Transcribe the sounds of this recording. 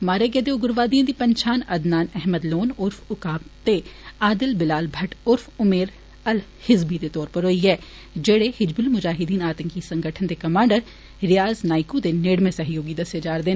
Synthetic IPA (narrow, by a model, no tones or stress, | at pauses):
maːɾeːɡeːd̪eʊɡʊɾʋaːd̪ijãd̪ipɐɲt͡ʃʰaːnɐd̪naːnɛɦməd̪loːnʊɾfʰʊkaːpt̪eaːd̪ɪlbɪlaːlbʱɐʈʊɾfʊmeːɾ | ɐl | hɪzbid̪et̪ɔːɾpəɾɦoːiɛː | d͡ʒeːɽehɪd͡ʒbʊlmʊd͡ʒaːɦɪd̪iːnaːt̪əŋkisə̃ŋɡəʈʰənd̪ekɐmãːɳɖəɾ | ɾɪjaːznaːɪkud̪eneːɽmẽsɐɦjoːɡid̪ɐsed͡ʒaːɾd̪eːn